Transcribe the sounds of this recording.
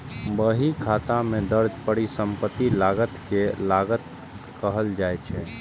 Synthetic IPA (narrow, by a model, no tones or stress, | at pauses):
bəɦikʰat̪amẽd̪əɾd͡ʒpəɽisəmpət̪ːilaɡət̪kelaɡət̪ | kəɦəld͡ʒajt͡ʃʰɛ